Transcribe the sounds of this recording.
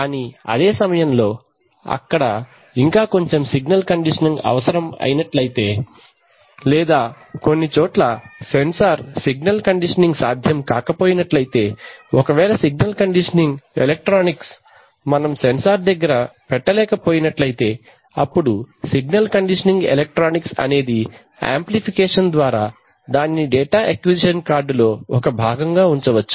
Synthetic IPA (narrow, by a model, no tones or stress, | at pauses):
aːniɐ̰d̪eːsɐmɐjɐmlo̞ː | ɐ̰kːɐɽɐ | iŋkaːko̞ɲt͡ʃemsiɡnɐlkɐɳɖiʂɐniŋɡɐ̰ʋɐsɐɾɐmɐ̰jinɐʈlɐjit̪e̞ː | lɛːd̪aː | ko̞nːit͡ʃɔːʈlɐsensaːɾsiɡnɐlkɐɳɖiʂɐniŋɡsaːd̪ʱjɐmkaːkɐpoːjinɐʈlɐjit̪e̞ːɔkɐʋɛːlɐsiɡ̚nɐlkɐɳɖiʂɐniŋɡḛlek̚ʈɾaːniks | mɐnɐmsensaːɾd̪ɐɡːɐɾɐpɛʈːɐlɛːkɐpoːjinɐʈlɐjit̪e̞ː | ɐpːuɽusiɡnɐlkɐɳɖiʂɐniŋɡḛlek̚ʈɾaːniksɐ̰ne̞ːd̪i | a̰ːmplipʰikɛːʂɐnd̪ʋaːɾaː | d̪aːnːiɖɛːʈaːʔɐkjud͡ʒiʃɐnkaːɾɖlo̞ːɔkɐbʱaːɡɐŋɡaːuɲt͡ʃɐʋɐt͡ʃːu̥